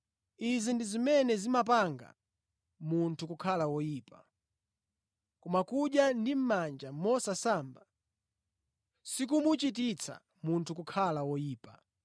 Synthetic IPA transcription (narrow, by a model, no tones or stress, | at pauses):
izindizimɛnɛzimap̬aŋɡa̰ | muntʰukukʰalawɔjiːpa | kɔmakuɗjandim̩mand͡ʒamɔsasamba | sikumut͡ʃit̬it͡sʰa̰ | muntʰukukʰalawɔjiːpa